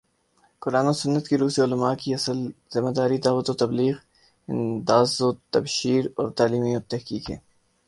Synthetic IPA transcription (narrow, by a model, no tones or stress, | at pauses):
kʊɾaːnosʊnːət̪kiɾuːseʊlɐmaːkiɐsəlzɪmad̪aːɾid̪aːʋət̪ot̪ɐbliːɣ | ɪ̰nd̪aːzot̪ɐbʃiːɾɔ̰ːɾt̪aːliːmijot̪ɛɦkiːkɦɛ̰ː